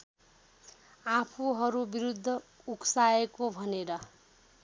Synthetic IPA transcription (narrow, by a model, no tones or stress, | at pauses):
apʰuɦʌɾubiɾud̪ʱːʌ | uksaekobʱʌneɾʌ